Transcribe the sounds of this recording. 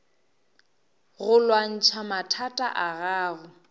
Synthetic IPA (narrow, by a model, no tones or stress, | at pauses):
ɣʊlwan̩t͡ʃʰamatʰatʼaʔaɣaːɣʊ